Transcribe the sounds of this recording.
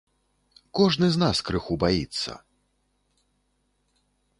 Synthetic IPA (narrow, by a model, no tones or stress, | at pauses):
kɔʐnɨznaskɾɨxubajit̪sːɐ̰